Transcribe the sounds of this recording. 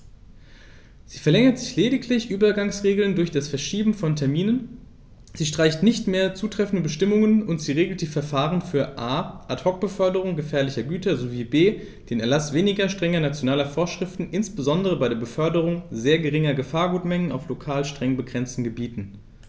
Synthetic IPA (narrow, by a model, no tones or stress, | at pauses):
z̥iːfɛɐlɛŋɐtz̥ɪçleːdɪkʰlɪçʔyːbɐɡaŋsʁeːɡl̩ndʊɐçd̥asfɛɐʃiːbm̩fɔntʰɛɐmiːnən | z̥iːʃtʁ̥aɪçtnɪçtmeːɐt͡suːtʁ̥ɛfn̩dəbəʃtɪmʊŋənʊntz̥iːʁeːɡl̩t̚d̥iːfɛɐfaːʁənfyːɐʔaːʔathɔk̚b̥əfœɐdəʁ̞ʊŋɡəfɛːɐlɪçɐɡyːtɐzoviːbeː | d̥eːnɛɐlasv̥eːnɪɡɐʃtʁ̥ɛŋɐnat͡sjonaːlɐfoːɐʃʁ̥ɪftn̩ʔɪnsb̥əzɔndəʁəbaɪɾeːɐbəfœɐdəʁ̞ʊŋzeːɐɡəʁɪŋɐɡəfaːɐɡuːtmɛŋəna̰ʊflokʰaːlʃtʁ̥ɛŋbəɡʁɛnt͡stn̩ɡəbiːtn̩